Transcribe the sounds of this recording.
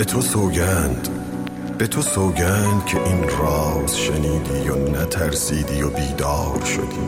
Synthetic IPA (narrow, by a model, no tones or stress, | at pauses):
bet̪ʰosoːɟænd̪̥ | b̥e̞t̪ʰosoːɟænd̪cʲʰe̞ʔiːnɾɒːzʃeniːd̪iːjonæt̪ʰæɾsiːd̪iːjobiːd̪ɒːɾʃo̞̰d̪iː